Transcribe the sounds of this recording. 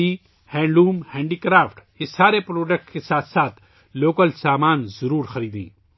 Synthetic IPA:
i | hɛ̃ːɳɖuːmhɛ̃ːɳɖiːkɾaːfʈ | ɪsːaːɾepɾoːɖək̚ʈkesaːt̪ʰsaːt̪ʰ | loːkəlsaːmaːnzɐɾuːɾxɐɾiːd̪ḭ̃ː

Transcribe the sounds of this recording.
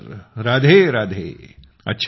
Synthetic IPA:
ɾɾaːd̪ʱeɾaːd̪ʱḛː | ɐ̰tːʃʰ

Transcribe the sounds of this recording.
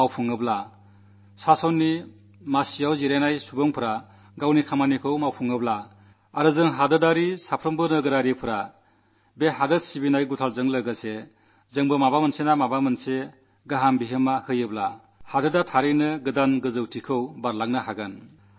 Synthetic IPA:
mawpʰuŋɯbla | sasɔnːi | masijawziɾajnajsubɔŋpʰɯɾa | ɡawnikʰamanikʰɯwmawpʰuŋɯbla | aɾɯzɯŋɦadɯdaɾisapʰɾɯmbɯnɯɡɯɾaɾipʰɯɾa | beɦadɯsibinajɡutʰalzɯŋlɯɡɯse | zɯŋbɯmabamɯnsenamabamɯnse | ɡaɦambiɦɯmahɯjɯbla | hadɯdatʰaɾinɯɡɯdanɡɯzɯwtʰikʰɯwbaɾlaŋnɯhaɡɯn

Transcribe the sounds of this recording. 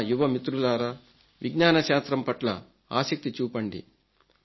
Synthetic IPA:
juʋɐmit̪ɾulaːɾa | ʋiɡnaːnɐʃaːst̪ɾɐmpɐʈlɐ̰ | a̰ːsɐk̚t̪it͡ʃuːpɐɳɖḭ

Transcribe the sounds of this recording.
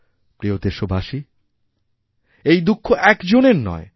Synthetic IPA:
pɾiod̪eʃobʱaʃi | ejd̪ukʰːoʔɛkd͡ʑoneɾnɔ̰e

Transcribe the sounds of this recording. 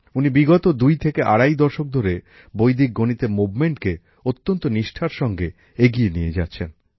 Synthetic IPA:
unibiɡɔt̪od̪ujt̪ʰekeʔa̰ɽajd̪ɔɾʃok̚d̪ʱoɾe | bojd̪ik̚ɡonit̪emubmeɳʈke | ot̪ːont̪oniʃʈʰaɾʃɔŋɡe | eɡijenijed͡ʑatːɕʰen

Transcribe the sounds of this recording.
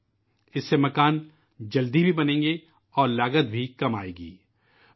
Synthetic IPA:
ɪsːemɐkaːn | d͡ʒɐld̪ibʱibɐnẽːŋɡe | ɔːɾlaːɡət̪̚bʱikɐmaːḛːɡḭː

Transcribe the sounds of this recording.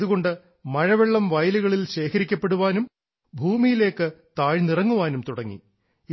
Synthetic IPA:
ðuɣo̞ɳɖɨ | mɐɻɐʋeɭːɐmʋɐjluɣɐɭilɕe̞ːkʰɐɾikʲːɐpːe̞ɽuʋaːnum | bʱuːmijile̞ːkːɨt̪aːɻnirɐŋːuʋaːnumt̪uɽɐŋːḭ

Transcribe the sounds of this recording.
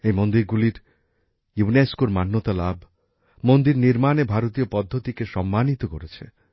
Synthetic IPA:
ejmond̪iɾɡuliɾ | juneskoɾmanːot̪alabʱ | mond̪iɾniɾmanebʱaɾot̪iopɔd̪ʱːot̪ikeʃɔmːanit̪okoɾet͡ɕʰḛ

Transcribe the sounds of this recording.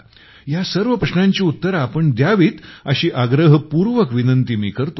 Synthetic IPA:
jasəɾʋəpɾəɕnãɲt͡ɕiːut̪ːəɾapəɳd̪jaʋiːt̪əɕiːʔaɡɾəɦəpuɾʋəkʋinənt̪imḭːkəɾt̪o

